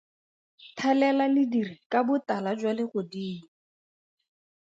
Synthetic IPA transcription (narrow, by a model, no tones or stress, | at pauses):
tʰɛlɛlalɪdirikabʊtalad͡ʒwalɪχʊdiːni